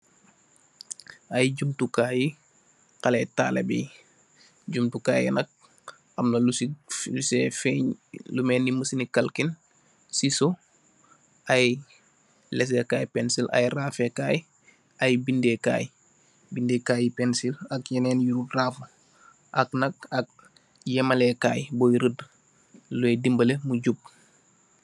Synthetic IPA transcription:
ajɟumtukaji | kɐlɛta̰ːlḛbɛ̰j | ɟumtukaːjɛ̰nɐk̚ | amnɐlslusefɛɲlumɛːnːiməsnikalkin | siso | ʔaj | lɛs̬ekaːjpɛnsilʔa̰jraːfekaːj | ajbindeka̰ːj | bindekaːjipensilakjɐneːnjuɾuraːf | ʔaknɐk̚ak̚ | jemalekaːjbojɾəd | luedimbɐlemuɟub̚

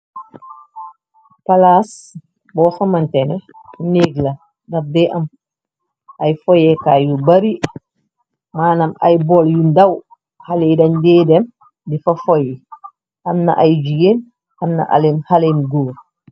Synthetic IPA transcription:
palas | bɔːsɐmɐntɛnɛneːɡlɐ | dɐf̚dɛʔɐm | ʔɐjfɔjɛkaːjubɐɾi | maːnɐmɐ̰jbɔljundɐw | halejdɐndeːdɛm | difɐfɔji | hɐmnɐ̰ʔajd͡ʒuɡeːn | hɐmnɐ̰ʔa̰lenhalenɡoːɾ

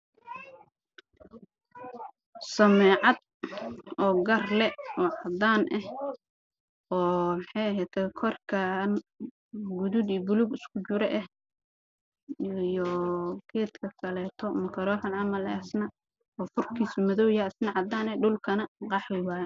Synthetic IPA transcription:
sɐmɛːʕɑd̪̚ | ɔːɡɐrlɛɔːʕɑd̪aːnʔɛh | ɔːmħɑjɐɦɛjt̪ʰɛkʰɔrkʰɐn | ɡʊðud̪ibʊluɡɪskʰʊt͡ʃʊɾɛʔɛh | jɔkʰɛːt̪kʰɐkʰɐlɛːt̪ʰɔmɐkʰɐɾɔːħɐnʕɑmɐlːsnɐ | ɔːfʊrkʰiːsʊmɐðɔwjɐsnɐʕɑd̪aːnɛɖʊlkʰɐnɐqɑħwɪwaː

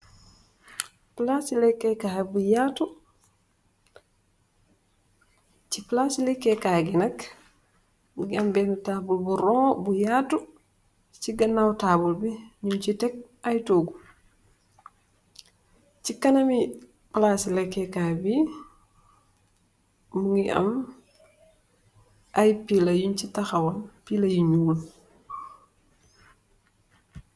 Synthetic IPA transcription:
plasilɛkːɛkahbujatu | t͡ʃiplaslɛkːɛkaɡinak | ɡambɛnutabulbuɾɔbujatu | t͡ʃiɡanːawtabulbiɲunt͡ʃitɛk̚ | ajtoːɡu | t͡ʃikɐnɐmi | plasilɛkːɛkabi | muŋɡiʔɐ̰m | ʔajpilɐjuɲt͡ʃitaxawanpilɐjiɲuːl

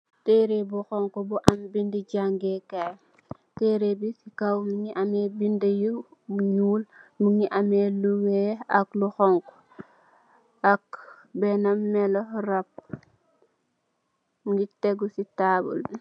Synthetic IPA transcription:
teɾebuxɔŋkɔbuʔambindiɟaŋɡekaj | teːɾebisikawmuŋiʔamebindejubuɲuːlmuŋiʔameluweakluxɔŋko̥ | ak | benamːɛloɾap̚ | ŋɡiteɡusitaːbṵl

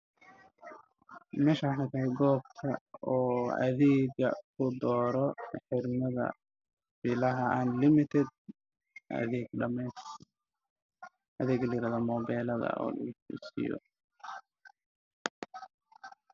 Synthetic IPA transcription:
mɛːʃaħɑt̪ʰaːɡɔːb̚t̪ʰɐɔːɐ̰ðɛːɡɐ̰kʰʊd̪ɔːɾɔħɪɾmɐðɐ̰ | bɪlɐɦɐʔaːnlɪmɪt̪ʰɛd̪̚ | ʔɐ̰ðɛːɡɖɐmɛs | ʔɐðɛːɡlɐjɪɾaːðɔːmɔːbɛːlɐðɐ̰ʔɔ̰ːlɐfḭsɪ̰jɔ̰

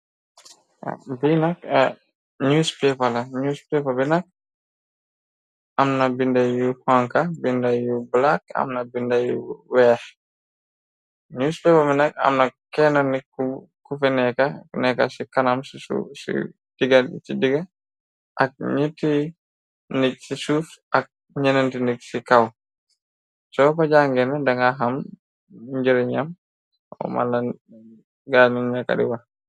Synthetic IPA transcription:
binak̚ | ɲuspɛpalaɲuːspepabɛnak̚ | amnabindajuhɔŋkabindajublaka̰mnabindajuwɛːh | ɲuːspɛpabɛnak̚a̰mnakɛnɔniku | kufɛnɛkanɛkasikanamsṵsḭ | d̥iɡat͡ʃidiɡa | ʔak̚ɲitːi | nicsisuːfɐk̚ | ɲɛnɐntiniksikaw | sɔkɔɟaŋɡɛndɐŋɡaɦɐm | ɟiɾɲɐm | ɔ̰ma̰la | ɡaːniɲaka̰dḭwa

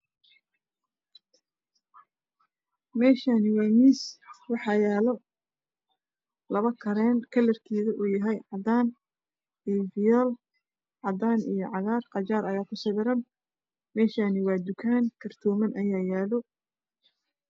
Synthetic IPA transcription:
mɛːʃaːnɪwɑːmiːswɑħɑjaːlɔ | lɐβɐkʰɐɾɛːnkʰɐlɐrkʰiːɣɐʔuːjɐɦɛjʕɑd̪aːn | ivɪjɛl | ʕɑd̪aːnḭjɔʕɑɣaːrqɑt͡ʃaːɾɐjaːkʰʊsɪβɪɾɐn | mɛːʃaːnɪwɑːd̪ʊkʰaːŋkʰɐrt̪ʰɔːmɐnʔɐjaːjaːlɔ

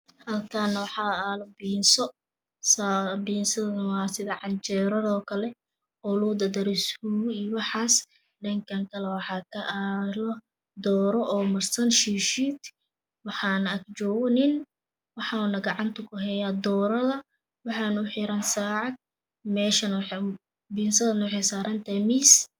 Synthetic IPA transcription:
hɐlkʰaːnːɐwɑħɑaːlɔbiːnsɔ | sabiːnsɐðɐwaːsɪðɐʕɑɲt͡ʃɛːɾɐðɔːkʰɐlɛ | ʔʊluːd̪ɐd̪ɐɾɪshuijwɑħɑːs | ɖɐŋkʰɐŋkʰɐlɛwɑħɑːkʰɐʔalɔ | d̪ɔːɾɔʔɔːmɐrsɐnʃiːʃiːt̪ | wɑħɑːnɐk̚t͡ʃɔːɣɔnɪn | wɑħɑːnɐɡɑʕɑnt̪ʰʊkʰʊɦɛjaːd̪ɔːɾɐðɐ | wɑħɑːnʊħɪɾɐnsaːʕɑd̪̚ | mɛːʃɐnwħ | biːnsɐðɐnɐwɑħɛjsaːɾɐnt̪ʰɐmis

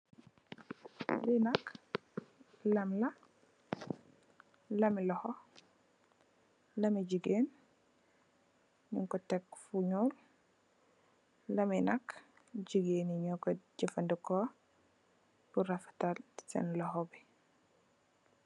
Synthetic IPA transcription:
linak | lɐmlɐ | lɐmilɔhɔ | lɐmiɟiɡen | iŋkɔtɛkfuɲul | lɐminak | ɟiɡeːniɲɔkɔɟifandukɔ | b̥uɾafḁtalsɛ̰nlɔhɔbi

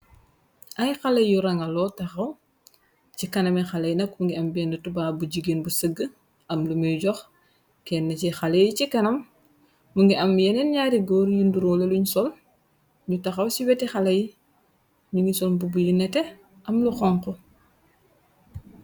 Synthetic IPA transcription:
ʔɐjxalɐjjːuɾaŋɐlɔtɐxɐw | cikɐnɐmɛxalɐjnɐk̚muŋɡiɐmbɛndətubaːbuɟiɡenbusəɡə | ʔɐmlumijɟɔx | kɛnːɐcixalejicikɐnɐm | muŋɡiɐmjɛnɛnɲaːɾiɡɔːɾjinduɾɔleluɲsɔl | ɲutaxɐwsiwɛtixalɐj | ɲuŋɡisɔlbubujunɛtɛ | ʔɐmluxɔŋkɔ

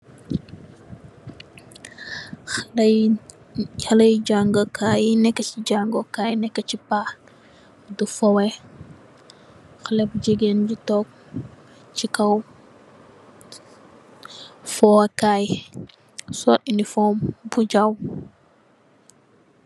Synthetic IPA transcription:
halɐjd͡ʒaŋɡɔkʰajinɛkːɐt͡ʃiɟaŋɡɔkajnɛkːɐt͡ʃipa | dufɔwɛ | xalɛb̚d͡ʒiɡend͡ʒitɔk̚ | t͡ʃikɐw | fɔwakaj | sɔtinifɔmbud͡ʒaw

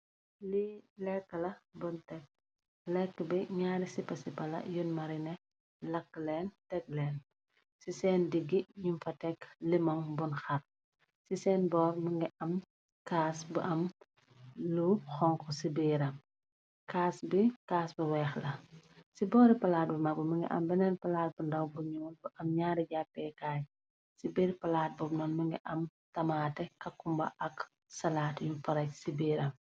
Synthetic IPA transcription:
lilɛkːəlɐbuntɛk̚ | lɛkːəbɛɲaːɾisipɐsipɐlɐ̰junmɐɾinɛ | lɐkːlɛːntɛk̚lɛːn | sisɛːndiɡːiɲumfɐtɛklimɔŋbunxɐr̚ | sisɛːnbɔːɾmuŋɡɛʔɐm | kaːsbɐʔɐm | lup̚xɔŋkʰɔsibeːɾɐm | kaːsbikaːsbɐwɛːxlɐsibɔːɾipɐlaːt̚bimɐk̚bɐmɐŋɡɛ̰ʔɐ̰mbɛnɛːnpɐlaːt̚bundɐwbuɲɔːnbuʔɐmɲaːdiɟapːɛkaːj | sibiːɾpɐlaːt̚bɔbnɔːnmɐŋɡɛ̰ʔɐm | tɐmaːtɛkɐkːumbɐ̰ʔɐk | sɐlaːtjupɐɾɐcsibeːɾɐm

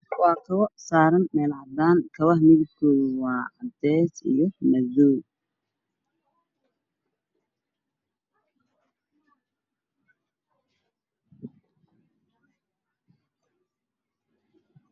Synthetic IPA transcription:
wɑːkʰɐβɐsaːɾɐnmɛːlʕɑd̪aːŋkʰɐβɐhmɪðʊkʰoːðʊwɑːɑd̪ɛːsḭjɔnɐðɔː

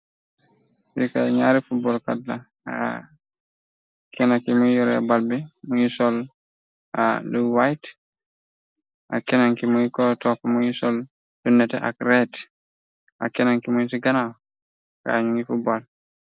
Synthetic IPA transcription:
sḭkaɲaɾifubɔlka̰dla | a̰ | kʰɛnakimujɔɾɛ̰balbimujisɔl | aduwajt | ʔakɛnaŋkimuikotɔfamujisɔl | d̥unːɛtɛʔa̰kɾɛt | a̰kɛnaŋkimusiɡanaw | ka̰ɲuŋifubol

